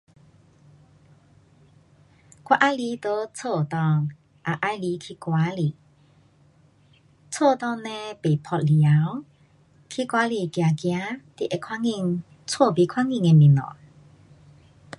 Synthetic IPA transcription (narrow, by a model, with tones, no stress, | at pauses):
kwa˦ʔa˧˦jli˧˦t̪o˧˦t͡sʰo˥˧˨t̪ɔ˧˨ŋ | ʔa˨˧ʔa˧jli˧˦kʰi˧˦kwa˧˦li˨ | t͡sʰo˥˧˨t̪ɔ˥˧ŋnɛ̃˧pe˨pʰɔ˧t̚li˨a˨˦w | kʰi˧kwa˧˦li˧˨kja˨kja˧˦t̪i˧˨ʔe˧˨kʰwa˦ŋi˧˨ŋ | t͡sʰwo˥˧˨pi˧˨kʰwa˦˥ŋi˧˨ŋe˧˨mĩ˨nɔ̰̃˨n